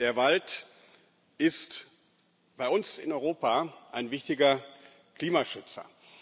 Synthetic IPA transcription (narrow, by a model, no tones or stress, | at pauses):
d̥eːɐvalt | ʔɪst | b̥aɪʊnsɪnɔʏʁoːpaʔaɪnvɪçtɪɡɐ | kl̥iːmaʃʏt͡sɐ̰